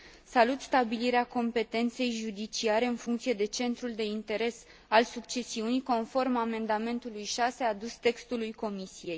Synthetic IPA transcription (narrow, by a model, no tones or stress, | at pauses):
salut̪st̪abiliɾeako̞mpe̞t̪e̞nt̪se̞jʒud̪it͡ʃiaɾe̞ɨnfuŋkt̪sije̞d̪e̞t͡ʃe̞nt̪ɾuld̪e̞int̪e̞ɾe̞s | alsukt͡ʃe̞siuniko̞nfo̞rmame̞nd̪ame̞nt̪ulujʃase̞ad̪ust̪e̞kst̪ulujko̞misije̞j